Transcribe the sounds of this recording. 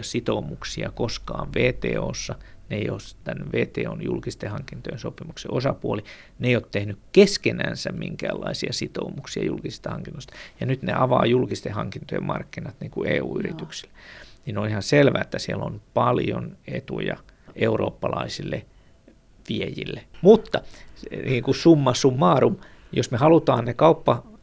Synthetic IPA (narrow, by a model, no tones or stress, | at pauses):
sit̪oumuksiɑkoskɑːʋʋeːt̪ḛːoːsːɑneijoːst̪ænːʋeːt̪eːonjṵlkist̪ehɑŋkint̪ojensopimukseʔosɑpuoli | neijoːt̪t̪ehnykkeskenænsæmmiŋkæːlːɑisiɑsit̪oumuksiɑjulkisist̪ɑhɑŋkinːost̪ɑ̥jɑnyt̪nḛʔɑʋɑːjulkist̪ehɑŋkint̪ojemɑrkːinɑt̪niːŋkueːuːyrit̪yksi̥lːninonihɑnselʋæːet̪ːæsielonpɑljonet̪ujɑʔeuro̰ːpːɑlɑisilːe | ʋiejḭlːemut̪ːɑniːŋkusumːɑsumːɑːrum | josmehɑlut̪ɑːnnekɑupːɑ